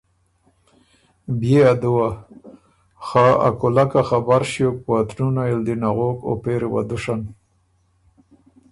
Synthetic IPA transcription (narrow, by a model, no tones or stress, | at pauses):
bjead̪uwa | xaa̰kʊlakaxabaɾʃjok̚puat̪nunaild̪inaɣoko̰peɾwa̰d̪uʂan